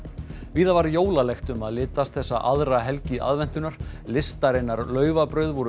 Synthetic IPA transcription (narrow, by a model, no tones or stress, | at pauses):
viːðavaɾjoːwlalɛxt̪ʏmaðlɪːt̪ast̪θɛsːaʔaðɾaɦɛlcɪʔa̰ðvɛn̥t̪ʏnaɾ̥lɪst̪aɾɪnːaɾlœːɥvapɾœɥðvɔɾʏ